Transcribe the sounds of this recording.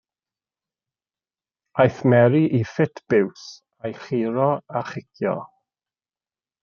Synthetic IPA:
ajθmɛɾiʔifɪtʰb̥ɪws | ajχiːɾɔaχɪkʰjɔ̰

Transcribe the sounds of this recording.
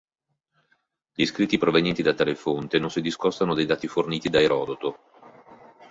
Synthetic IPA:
ʎiskɾit̪ːipɾovenjɛnt̪id̪at̪ːaːlefont̪enonsid̪iskɔst̪anod̪ejd̪aːt̪iforniːt̪id̪aeɾɔːd̪ot̪o

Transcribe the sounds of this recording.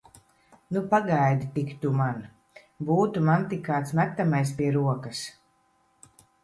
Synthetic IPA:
nupaɡajd̪it̪ikt̪uman | buːt̪umant̪ikːaːt̪smæt̪ːamajs̬piɛɾuɔkas

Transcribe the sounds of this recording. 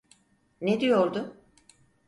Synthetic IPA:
ned̪ijo̞ɾd̪ʊ

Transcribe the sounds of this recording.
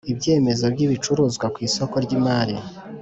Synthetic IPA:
ibɟe̞ːme̞zo̞bɟiβit͡ʃuɾuːzɡwakwiːso̞ko̞ɾɟimaɾḭ

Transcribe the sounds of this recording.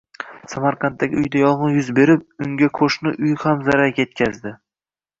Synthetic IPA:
samaɾqʰɑnt̪ːaɡʲɪ̰ʊjd̪ajɒʁɨjʊzbe̞ɾɪp̚ʊŋɡʲakʰoʃnɪʔʊjhamzaɾaɡʲje̞t̪̚kʲʰazd̪ɪ

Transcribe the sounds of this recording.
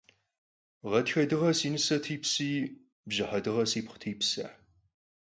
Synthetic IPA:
ʁɐtxɐdɨʁɐsiːnɨsɐtʰiːpsiː | bʒɨħɐdɨʁɐsiːpχʷtʰiːpsɐ̰

